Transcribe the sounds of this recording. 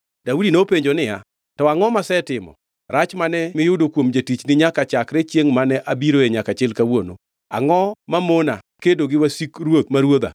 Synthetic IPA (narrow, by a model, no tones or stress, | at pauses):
daudinopeɲd͡ʒonɪja̰ | tɔaŋɔmasɛtɪmɔ̰ | ɾat͡ʃmanɛmɪjʊdokwomd͡ʒatit͡ʃnɪɲakat͡ʃakɾet͡ʃjeŋmanɛʔabiɾoeɲakat͡ʃɪlkawono̰ | a̰ŋɔmamona | kedoɡɪwasikɾwot̪maɾwod̪a̰